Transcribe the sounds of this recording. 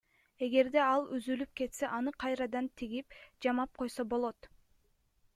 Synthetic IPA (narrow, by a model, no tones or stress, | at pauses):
e̞ɡe̞ɾd̪e̞ɑlˠyzylyp̚ke̞t̪se̞ʔɑnɯqʰɑjɾɑd̪ɑnt̪ʰiɡip̚d͡ʒɑmɑp̚qʰo̞jsobo̞lˠo̞t̪